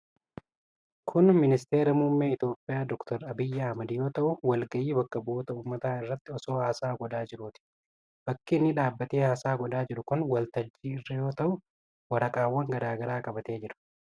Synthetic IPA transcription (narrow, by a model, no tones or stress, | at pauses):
kʰʊnmɪnɪst̪eːɾɐmuːmːeːɪt̪o̞ːpʼːɪjaːd̪ɔkt̪ʰɔɾɐbɪjːɐɐhmɐd̪ɪjo̞ːt̪ɐʔʊwɐlɡɐjiːbɐkːɐbo̞ːt̪ɐuːmːɐt̪aːɪrːɐt̪ːɪɔso̞ːhaːsaːɡɔd̪aːd͡ʒɪɾuːt̪ɪ̥ | b̥ɐkːiːnːɪᶑaːbːɐt̪eːhaːsaːɡɔd̪aːd͡ʒɪɾʊkʊnwɐlt̪ɐd͡ʒːiːɪrːɐjo̞ːt̪ɐʔʊ | wɐɾɐkʼaːwːɐŋɡɐd̪aːɡɐɾaːkʼɐbɐt̪e̞ːd͡ʒɪɾʊ̥